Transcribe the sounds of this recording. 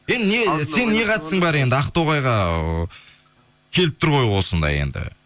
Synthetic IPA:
jend̪ɪnese̞nːe̞qʰɑjt̪əsəɴbɑɾe̞nd̪ɪɑqt̪oʁɑjʁɑ | kʲʰe̞lɪp̚t̪ʰʊɾʁʰo̞jwo̞sənd̪ɑ̰jḛnd̪ɪ̰

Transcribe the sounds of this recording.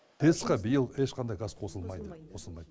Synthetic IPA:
t̪ʰe̞sqɑbijəlˠeʃqʰɑnd̪ɑjɡɑsqʰo̞səlˠmɑjd̪əqʰo̞səlˠmɑjd̪ə

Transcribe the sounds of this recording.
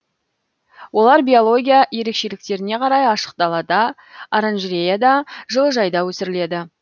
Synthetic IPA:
wo̞lˠɑɾbʲio̞lˠo̞ɡʲijaje̞ɾe̞kʃe̞lɪk̚t̪e̞ɾɪne̞qʰɑɾɑjɑʃə̥q̚t̪ɑlˠɑd̪ɑː | ɾanʒɾʲejad̪ɑʒəlˠəʒɑjd̪ɑwɵsɪɾɪle̞d̪ɪ

